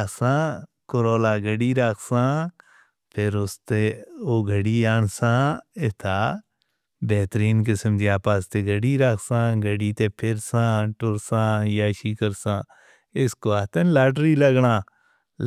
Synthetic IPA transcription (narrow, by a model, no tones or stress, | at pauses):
sãː | koɾoːlaːɡəɽiːɾakʰsãː | pʰɪɾʊst̪eːoːɡʱəɽiːaːɳsãːɪt̪ʰaː | bɛːt̪ɾiːnkɪsəmd͡ʒiaːpaːst̪eːɡʱəɽiːɾakʰsãːɡʱəɽiːt̪eːpʰɪɾsãːʈʊɾsãːjaːʃiːkəɾsãː | ɪskoːaːt̪enlaːʈɾiːləɡɳaː